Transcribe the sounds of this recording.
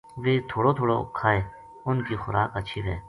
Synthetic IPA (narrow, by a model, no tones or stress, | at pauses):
ʋeːt̪ʰoːɽoːt̪ʰoːɽo̰kʰːaːeː | ʊnkiːxʊɾʔa̰ːkət͡ʃʰiːʋeː